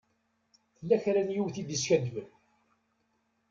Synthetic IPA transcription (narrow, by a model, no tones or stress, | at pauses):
θəlːæçɾænjiwθid̪iskæd̪vən